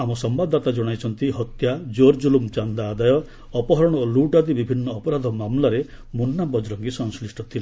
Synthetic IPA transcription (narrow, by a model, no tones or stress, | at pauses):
amɔsɔmbad̪ʱat̪ad͡ʒɔɽ̃ajt͡ʃʰɔnt̪iɦɔt̪jad͡ʒoɾd͡ʒulumt͡ʃand̪aːd̪ajɔː | pɔɦɔɾɔɽ̃ɔoluʈad̪ibibʱinːɔːpɔɾad̪ʱɔmamlaɾe | munːabɔd͡ʒɾɔŋɡisɔŋslisʈɔt̪ʰila